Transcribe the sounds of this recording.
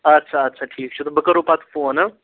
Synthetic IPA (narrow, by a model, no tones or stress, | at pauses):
ɐtːʃʰaɐtːʃʰaʈʰiːkt͡ʃʰut̪obəkəɾupat̪ʰfõna